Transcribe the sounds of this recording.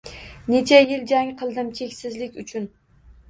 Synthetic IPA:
ne̞t͡ʃʰajɪld͡ʒaŋqʰɨlˠd̪ɪmt͡ʃʰe̞kʲsɪzlɪkʲʊt͡ʃʰʊn

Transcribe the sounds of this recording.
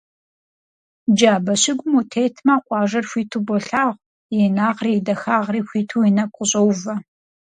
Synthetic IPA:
d͡ʒaːbɐɕɪɡʷʊmutʰeːjtʰmaːqʷʼɑːʒɐrxʷiːtʰuːbɔɬaːʁʷ | jenaːʁrijdɐxaːʁriːxʷiːtʰuːjinɐkʷʼʊɕʼɐwvɐ

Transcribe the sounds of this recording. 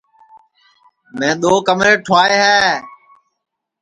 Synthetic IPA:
mɛ̃ːɗ̪oːkəmɾeːʈʰʊaːeːɦɛː

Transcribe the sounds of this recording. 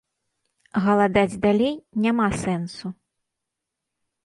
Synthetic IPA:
ɣɐlˠad̪ad͡zʲd̪alʲejnʲamasɛnsu

